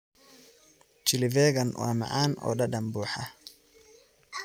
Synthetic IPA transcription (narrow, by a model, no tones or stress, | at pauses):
t͡ʃɪlɪvɛːɡɐnwʔa̰ːma̰ʕaːnɔ̰ːɗɐɗɐmbuːħa